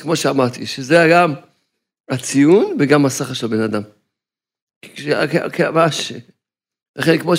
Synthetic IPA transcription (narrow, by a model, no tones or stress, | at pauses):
kmo̞ʃeamaʁt̪iʃezejaɡam | at͡sijunveɡamasaχaʃelbe̞nad̪am | ʃa̰kea̰keamaʃe | laχenkmo̞